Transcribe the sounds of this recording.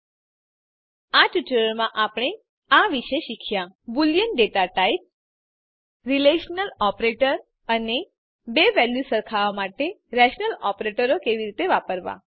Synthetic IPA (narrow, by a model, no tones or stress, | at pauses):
at͡ʃut͡ʃuɾəɭmãʔapɽ̃e | aʋiʃeʃikʰjãbuljənɖet̪aʈaip̚ | ɾileʃnəlɔpɾeʈəɾ | əne | beʋɛljusəɾkʰaʋamaʈeɾɛʃnəlɔpɾeʈəɾokeʋiɾit̪eʋapəɾʋã̰